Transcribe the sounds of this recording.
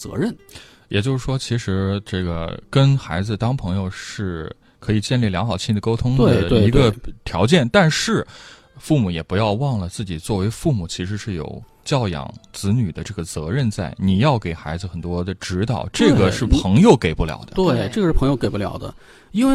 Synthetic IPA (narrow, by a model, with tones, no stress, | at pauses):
t͡sɤ̰˧˥ɻə˥˩n | jɛ̰˨˩t͡ɕjo˥˧ʊʂɻ̩˥˩ʂwɔ˥t͡ɕʰi˧˥ʂɻ̩˧˥ʈ͡ʂɤ˥˩ɡə̰˩kə˥nxa˧˥ɪd͡zɹ̩˧t̪ɑ˥ŋpʰɤ˧˥ŋjo˧ʊʂɻ̩˥˩ | kʰɤ˧˥i˨˩t͡ɕjɛ˥˧nli˥˩ljɑ˧˥ŋxɑ˨˩ʊt͡ɕʰi˥˩nd̪ə˩ko˥ʊt̪ʰʊ˥ŋwe˥d̪ət̪we˥˧i˧˥ɡə˧t̪ʰjɑ˧˥ʊt͡ɕjɛ˥˩nt̪a˥˧nʂɻ̩˥˩ | fu˥˩mu˨˩jɛ˨˩pu˧˥jɑ˥˧ʊwɑ˥˩ŋlə˩t͡sɹ̩˥˩t͡ɕi˨˩t͡swɔ˥˩we˧˥ɪfu˥˩mu˨˩t͡ɕʰi˧˥ʂɻ̩˧˥ʂɻ̩˥˩jo̰˨˩ʊ | t͡ɕjɑ˥˩ʊjɑ̰˨˩ŋt͡sɹ̩˧˥ny˨˩d̪ə˦ʈ͡ʂɤ˥˩ɡə˩t͡sɤ˧˥ɻə˥˧nt͡sa˥˩ɪni˨˩jɑ˥˩ʊke˨˩ɪxa˧˥ɪd͡zɹ̩˧xə˨˩nt̪wɔ˥d̪ə˨ʈ͡ʂɻ̩˧˥t̪ɑ˨˩˦ʊʈ͡ʂɤ˥˩ɡə˩ʂɻ̩˥˩pʰɤ˧˥ŋjo˧ʊke˨˩ɪpu˥˩ljɑ̰˨˩ʊd̪ə̰˦t̪we˥˩ɪʈ͡ʂɤ˥˩ɡəʂɻ̩˥˩pʰɤ˧˥ŋjo˥˧ʊke˨˩ɪpu˥ljɑ̰˨˩ʊd̪ə̰˦ | i˥nwe˥˧